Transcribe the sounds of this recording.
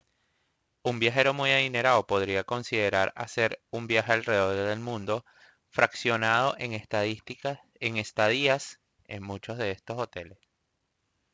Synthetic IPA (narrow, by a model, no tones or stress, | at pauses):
umbjaxe̞ɾomujaðine̞ɾaopo̞ðɾiako̞nsiðe̞ɾaɾa̰se̞ɾumbjaxe̞alre̞ðo̞ɾðe̞lmũnd̪o | fɾaksjo̞nað̞o̞ʔeŋt̪ | eŋe̞st̪aðias | e̞̰ŋmut͡ʃo̞zð̞e̞e̞st̪o̞so̞t̪e̞le̞s